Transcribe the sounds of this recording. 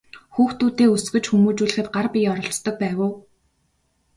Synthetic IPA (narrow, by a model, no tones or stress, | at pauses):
xuːxt̪uːt̪iːusɡɵ̆t͡ɕxumuːt͡ɕuːɮ̆xɘ̆t̪̚ɢarpʲiɔɾɞ̆ɬt͡st̪ɞ̆k̚pæːwə̆w